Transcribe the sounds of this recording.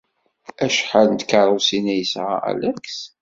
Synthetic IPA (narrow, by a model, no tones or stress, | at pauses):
æʃħalnt̪kəɾˤosinæjəsʁa̰æ̰læks